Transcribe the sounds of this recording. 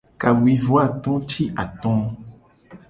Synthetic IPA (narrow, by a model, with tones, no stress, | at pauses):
ka˨wwi˨vo˦a˦˨t̪ɔ̃˦t̪ʰi˦ʔa˨t̪ɔ̃˦